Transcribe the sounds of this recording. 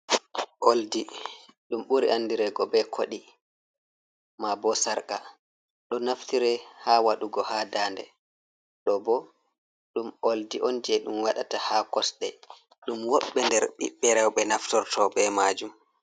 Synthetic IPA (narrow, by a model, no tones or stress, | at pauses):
ʔoldiɗumɓuɾiʔanːdiɾɛɡɔbɛkʰoɗi | mabɔsaɾka | ɗɔnaftiɾɛhawaɗuɡɔhadaːndɛ̰ | ɗɔbɔ | ɗumoldiʔond͡ʒiɛɗumwaɗatahakɔsɗɛ | ɗumwɔɓːɛndɛɾɓḭɓːɛɾɛwɓɛnaftɔɾtʰɔɓɛmaːd͡ʒum